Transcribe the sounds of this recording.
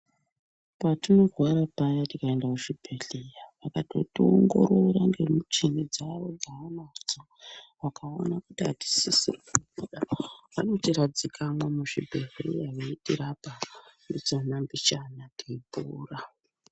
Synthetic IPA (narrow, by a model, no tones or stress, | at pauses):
patino̞rwaɾapajatikaendakuʂibʱeɮejaʋakato̰tooŋɡo̞̰roɾaŋɡemut͡ʃinid͡zaʋo̞ɡaanad͡zo | ʋakao̰nakutiati̥sisirikubuɗaʋa̰no̞tiɾad͡zikʰamwamuʂḭbʱeɮḛjaʋeitiɾapandit͡sonambit͡ʃanatipuːra